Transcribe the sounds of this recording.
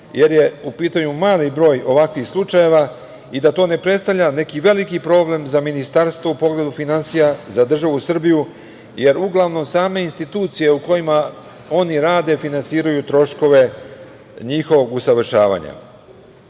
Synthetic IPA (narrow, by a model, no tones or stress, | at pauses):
je̞ɾje̞upiːt̪aɲumaːlibɾo̞ːjo̞ʋakʋixslˠut͡ʃaje̞ʋa | id̪at̪o̞ːne̞pɾe̞t̪st̪aʋʎʲane̞kiʋe̞likipɾo̞ːble̞mzaminist̪aɾst̪ʋoupo̞ɡle̞d̪ufinansijazad̪r̩ʒaʋusr̩biju | je̞ɾuɡlˠaʋno̞msaːme̞inst̪it̪uːt̪sije̞uko̞jima | o̞niɾaːd̪e̞finansiːɾajut̪ɾo̞ʃko̞ʋe̞ | ɲixo̞ʋo̞ɡusaʋr̩ʃaːʋa̰ɲa̰